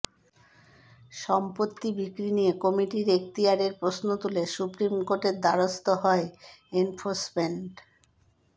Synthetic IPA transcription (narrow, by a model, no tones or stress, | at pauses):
ʃɔmpot̪ːibikɾinijekɔmiʈiɾek̚t̪iaɾeɾpɾosnot̪ulesupɾimkoɾʈeɾd̪aɾost̪oɦɔeenfʰoɾsmeɳʈ